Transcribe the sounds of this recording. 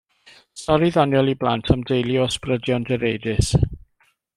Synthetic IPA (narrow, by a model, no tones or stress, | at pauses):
sɔɾiðɔnjɔlˠiblˠantʰamdejliɔsprədjɔndɛɾejdɪs